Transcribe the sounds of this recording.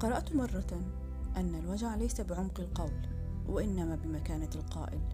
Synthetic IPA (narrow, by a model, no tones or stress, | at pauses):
qɑɾˤɑʔt̪mɑrˤːɑ | ʔanːalwad͡ʒaʕlajsabɪʕʊmqɪlqɑwl | wʔaʔɪnːamaːbɪmakaːnalqɑ̰ːʔɪ̰l